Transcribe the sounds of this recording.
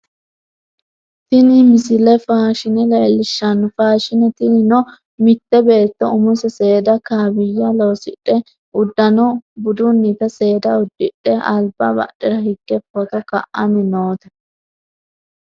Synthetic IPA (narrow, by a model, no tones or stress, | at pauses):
t̪ɪnɪmɪsɪlɛfaːʃɪnɛlɛːlːɪʃːɐnːʊfaːʃɪnɛt̪ɪnɪnɔ | mɪt̪ːɛbeːt̪ːɔʊmʊsɛse̞ːd̪ɐkaːbɪjːɐloːsɪ̰ᶑːɛ | ʔʊd̪ːɐnɔbʊd̪ʊnːit̪ɐse̞ːd̪ɐʊd̪ːɪᶑɛɐlbɐbɐ̰ɗɛɾɐhɪɡːɛpːɔt̪ɔkɐ̰ʔɐmɪnoːt̪ɛ̥